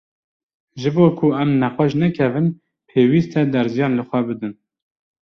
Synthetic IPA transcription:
ʒɨboːkʰuæmnæqɑʃnɛkʰɛvɨn | pʰeːwiːst̪ɛd̪ɛɾzijɑːnlɨxʷɛbɨd̪ɨn

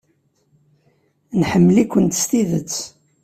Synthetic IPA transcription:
nħəmːlikʷːənt̪st̪iðət͡sː

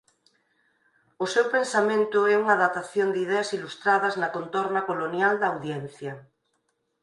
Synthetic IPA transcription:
osewpensamẽnt̪ʊɛuŋaðat̪aθjond̪ið̞ɛasilust̪ɾaðɐznɐkont̪oɾnakolonjald̪ɐːwðjɛn̟θjɐ

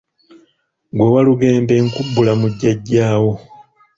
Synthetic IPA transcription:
ɡwewaluɡe̞ːmbe̞ŋkubːulamuɟːaɟːaːwo̞

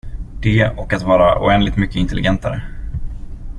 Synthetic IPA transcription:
d̪̥ɛːɔkat̪vɑːɾaʔʊ̰ɛnd̪lɪɡ̚t̪mʏkːəɪnt̪ɛlɪɡɛnt̪aɾə

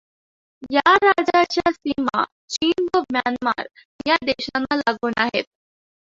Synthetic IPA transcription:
jaɾad͡zat͡ɕjasima̰ | t͡ɕiːnʋəbjanma̰ɾ | jad̪eɕanːalaɡuːnaɦet̪̚

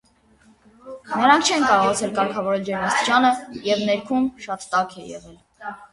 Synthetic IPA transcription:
nəɾɑŋk̚ʰt͡ʃʰɛnkɑɾɔʁɑt͡sʰɛlkɑɾkʰɑvɔɾɛld͡ʒɛɾmɑst̪i̥t͡ʃʰɑnəjɛvnɛɾkʰumʃɑt̪ːɑkʰɛjɛ̰ʁɛl

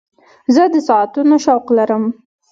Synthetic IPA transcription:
zəd̪əsɑat̪unoʃawqlaɾəm

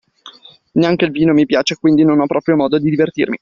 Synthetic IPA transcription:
neaŋk̟eilviːnomipjaːt͡ʃekwind̪inonɔpːɾɔːpɾjomɔːd̪od̪id̪ivert̪ḭrmi

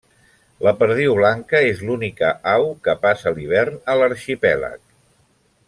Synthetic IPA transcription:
ləpəɾð̞iuβlaŋkəezlunikəʔawkəpasəliβ̞ɛrnələɾʃipɛlə̰k̚

